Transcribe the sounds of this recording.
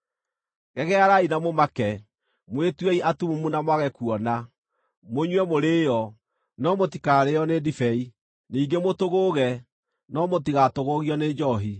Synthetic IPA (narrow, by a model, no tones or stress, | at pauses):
ɣɛɣɛaɾainamomakɛ | mwetwɛiʔatumumunamwaɣɛkuɔna | moɲwɛmoɾeːjɔ | nɔmotikaɾeɔnedifɛi | niːɡemotoɣoːɣɛ | nɔmotiɣatoɣoɣiɔned͡ʒɔɦi